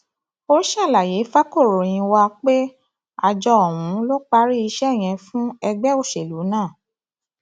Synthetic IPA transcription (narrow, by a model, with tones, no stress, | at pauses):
o˦ɾʃa˦˨la˨je˨˦fa˦ko˦˨ɾo˨j̃ĩ˧wa˧k͡pe˦ | a̰˨d͡ʒɔ˧ɔ˨wũ˨˦lo˦k͡pa˧˦ɾi˦i˧ʃɛ˦˨j̃ɛ̃˧fũ˦ɛ˧ɡ͡bɛ˦o˦˨ʃe˨lu˨˦nãː˦˨